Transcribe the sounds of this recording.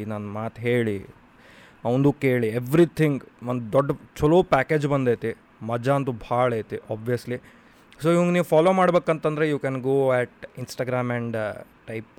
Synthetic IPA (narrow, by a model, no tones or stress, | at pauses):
nanmaːt̪ɦeːɭi | ɐwnd̪uːkeːɭieʋɾit̪ʰiŋɡʋond̪ud̪ɔɖːɐt͡ʃɔloːpæːkeːd͡ʒbɐnd̪ejt̪i | mɐd͡ʒaɐnt̪ubʱaːɭejt̪iʔaːbʋijɐsli | soːiʋɐŋɡniːʋupʰaːloːmaːɽbeːkɐnt̪ɐnd̪ɐɾejuːkɛnɡoːɛʈinsʈaːɡɾaːmɛ̃ɳɖ | ʈɐjp